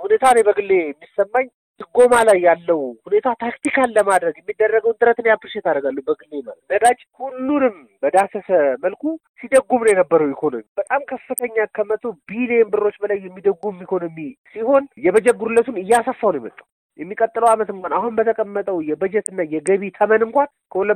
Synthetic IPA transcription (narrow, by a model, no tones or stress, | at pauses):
hune̞t̪ʰalajbəɡɨlːe̞ɛmːisːəmːaɲ | d̪ɨɡo̞malajːalːəwhune̞t̪ʰat̪ʰakt̪ʰikʰalːəmad̪ɾəɡjɛmːid̪ːərːəɡəwnt̪ʼɨɾət̪ɨnjabɨɾʃet̪aɾəɡalːəwbəɡɨlːemalət̪nəd̪ad͡ʒhulːunɨm | bəd̪asəsəməlkʰu | sid̪əɡːumnəwjɛnəbːəɾəwikʰo̞no̞mib̥ət̪ʼamkʰəfːɨt̪ʰəɲːakʰəmət̪ʰobileembɨrːo̞t͡ʃːbəlajːɛmːid̪əɡumikʰo̞no̞misiho̞njɛβəd͡ʒɛɡːuɾulːət̪unɨjːasəfːawnjemə̰t̪ʼːaw | jɛmːikʼət̪ʼːɨləwamət̪ɨŋkʷanaɦunbət̪ʰəkʼəmːət̪ʼəwjɛbəd͡ʒɛt̪ɨnːajɛɡəβit̪ʰəmənɨŋkʷankʰəulə